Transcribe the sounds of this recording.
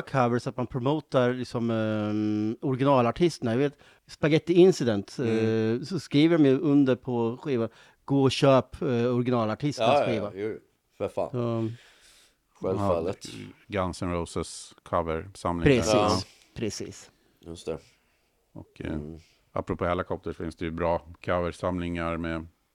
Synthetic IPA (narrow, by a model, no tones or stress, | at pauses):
kʰavəɾsat̪manpʰɾʊmoːt̪aɾlɪksɔm | ɔɾɡɪnɑːlaʈʰɪst̪ənajaveːt̪ | spaɡɛt̪ːɪɪnsɪd̪ɛnt̪ | sɔskɾiːvəɾɔmjɵʔɵnd̪əɾpʰɔɧiːvan | ɡ̥oːɔɕøːpɔɾɡɪnɑːlaʈʰɪst̪asɾiːva | ffa̰ɑː | ɧɛlfalːət̪ɡansənɾoːsəskʰavəɾsamlɪɾɛsiːs | pʰɾɛsḭːs | jɵst̪ɛ | ɔ̰k | a̰pːɾɔpʰoːhɛlɪkʰɔp̚t̪əʂɔfɪnsd̪ɛjʉbɾɑːkʰavəʂamlɪŋaɾmɛ